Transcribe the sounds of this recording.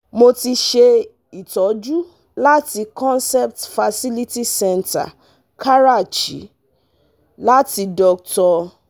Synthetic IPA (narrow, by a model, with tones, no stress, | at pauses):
mo˧ti˧ʃe˧ | i˨tɔ˨˦d͡ʒu˦ | la˦ti˧kɔ̃˦nsɛ˦p̚tfa˧si˦li˦ti˦sɛ˦˧nta̰˨ | kʰa˦ɾa˦˨t͡ʃḭ˨˦ | la˦ti˧dɔ˧k̚tɔ˧